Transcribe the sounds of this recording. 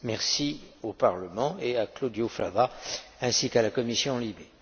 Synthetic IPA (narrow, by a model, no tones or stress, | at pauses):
mɛʁsiopaʁləmɑ̃eaklod̪jofla̰vaɛ̃sikalakɔmisjɔ̃libe